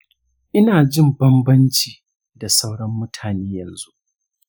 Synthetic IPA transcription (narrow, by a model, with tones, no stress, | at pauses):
ʔɪ˦naː˨d͡ʒɪ˦˨mbɐ˦mbɐ˦nt͡ʃiː˨ | da˨sa˦wɽɐ˦mːʊ˦tʰaː˨neː˦jɐ˨nzu˦ʔ